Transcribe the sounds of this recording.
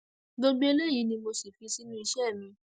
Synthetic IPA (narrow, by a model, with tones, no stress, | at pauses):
ɡ͡bo˧ɡ͡be˦e˧le˦ji˨˦nĩ˧mo˧si˨fi˨˧si˦nũ˦i˧ʃɛ˦˨mĩ˧